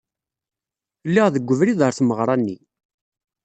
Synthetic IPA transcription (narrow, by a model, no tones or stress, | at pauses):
lːiʁðəɡʷːəvɾiðəɾθməʁɾˤɑnːi